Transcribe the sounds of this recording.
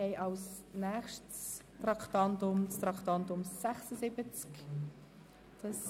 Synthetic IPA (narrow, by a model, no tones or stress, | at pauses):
ɛjʔɑlsnɛːχʃtstrɑkt̪ɑntʊmst̪ɾɑktɑntʊmsæχsəsɪbət͡sk | d̥ɑs